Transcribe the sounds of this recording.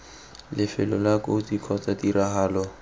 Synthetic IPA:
lɪfɪlɔlakodikʰɔt͡sadiraɦaːlɔ

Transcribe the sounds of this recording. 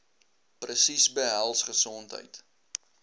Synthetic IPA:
prəsisbəɦælˠsχəsɔntɦə̰jt

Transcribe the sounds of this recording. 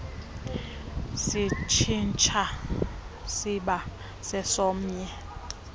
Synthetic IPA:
sit͡ʃʰint͡ʃʼʰa | siɓa | sɛsɔːm̩ɲɛ

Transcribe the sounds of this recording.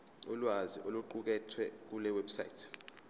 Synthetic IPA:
ulwaziʔoluǃuk̬ɛtʰwɛk̬ulɛwɛbsaḭtʰ

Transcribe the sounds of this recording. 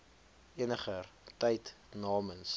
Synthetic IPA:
iənəχərtɛjt | nɑːməns

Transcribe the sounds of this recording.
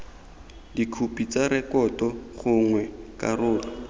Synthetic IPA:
dikʰupʼit͡saɾɛkɔtɔχʊŋwɛkʼarʊːlɔ

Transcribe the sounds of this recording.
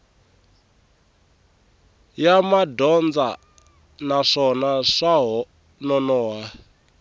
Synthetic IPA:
jamadɔnd͡za | naʂɔnaʂaɦɔ | nɔnɔːɦa

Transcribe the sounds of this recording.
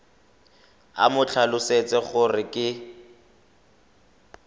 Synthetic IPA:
a̰mʊt͡ɬʰalʊset͡sɛχʊrɪkʼɪ

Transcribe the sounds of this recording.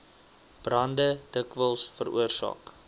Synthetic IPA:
b̥rɐndəd̥əkvəlˠsfəɾṵərsɑ̰ːk

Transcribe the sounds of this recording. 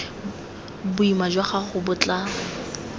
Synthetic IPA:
bʊimad͡ʒwaχaχʊbʊt͡ɬʼa

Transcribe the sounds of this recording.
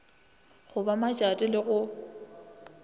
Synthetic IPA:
ɣʊbamat͡ʃʼatʼɪlɪɣʊ

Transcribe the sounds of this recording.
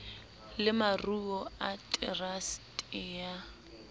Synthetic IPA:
lɪmaruɔatʼɛrastʼɪːa

